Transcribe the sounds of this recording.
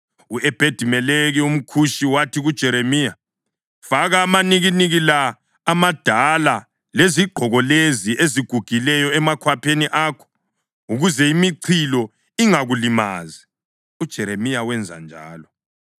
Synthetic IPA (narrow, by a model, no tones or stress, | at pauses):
uʔɛb̥ʱed̥ʱimɛleɣɛum̩kʰuʃiwatʰiɣud̥ʒ̥ʱɛɾemija | faɣaːmaniɣiniɣilaː | mad̥ʱala | leziɡ͡ǃʱɔɣɔleziʔeziɡ̥ʱuɡ̥ʱilɛjɔɛmakʰwapʰeniʔaːkʰɔ̥ | uɣuzɛimiǀʰilɔ | iŋaɣulima̰ːzi | ud̥ʒ̥ʱɛɾemijawɛnd͡zʱa̰nd͡ʒʱa̰ːlɔ